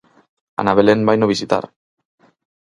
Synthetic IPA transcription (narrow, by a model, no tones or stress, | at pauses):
a̰naβe̞lembajnoβisit̪a̰r